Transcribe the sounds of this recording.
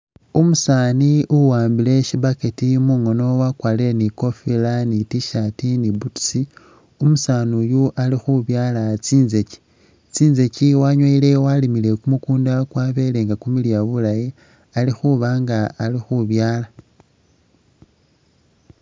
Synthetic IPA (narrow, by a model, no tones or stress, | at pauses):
umusaːniuwaːmbile̞ʃibaketimuŋo̞no̞wakwaːleleniko̞filanitiʃatinibutsi | umusanujuʔalixuβjaːlat͡siːnzeci̥ | t͡siːnze̞ciwaɲwaile̞walimile̞kumukuːndakwaβe̞le̞ŋɡakumilijaβulaji | alixuβaːŋɡaːlixuβjaːla